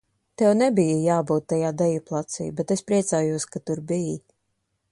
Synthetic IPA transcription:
t̪ɛwnɛbijəjaːbuːt̪̚ːajaːd̪ɛjiplˠat̪sḭjbet̪espɾiɛt̪saːjuɔskat̪uɾbiji

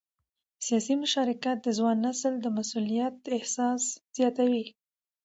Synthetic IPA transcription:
sijɑsimʊʃɑɾɪkat̪̚d̪əzwɑnːasld̪əmasulijat̪̚ɪhsɑsz̥jɑt̪awi

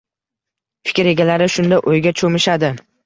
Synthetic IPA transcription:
fɪ̥kʲɾe̞ɡʲalaɾɪʃʊnd̪aʔojɡʲat͡ʃʰomɪʃad̪ɪ

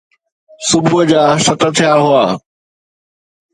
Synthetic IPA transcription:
sʊbʊd͡ʑaːsɐt̪ə̆t̪ʰijaɦʊaː

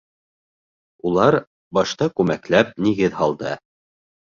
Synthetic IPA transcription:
ulˠɑɾ | bɑʃt̪ɑkʉmæklæp̚niɡɘðhɑlˠd̪ɤ

